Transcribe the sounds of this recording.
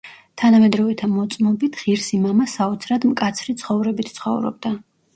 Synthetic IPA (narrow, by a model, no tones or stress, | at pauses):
t̪ʰanamɛd̪ɾɔvɛt̪ʰamɔt̪sʼmɔbit̪ʰʁiɾsimamasaɔt̪sʰɾad̪mkʼat̪sʰɾit̪sʰχɔvɾɛbit̪ʰt̪sχɔ̰vɾɔ̰b̚d̪a